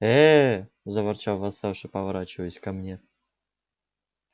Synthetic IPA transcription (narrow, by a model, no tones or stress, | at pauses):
ɛ | zɐvɐrt͡ɕalˠvɐst̪afʂɨpəvɐɾat͡ɕɪvəəsʲkamnʲe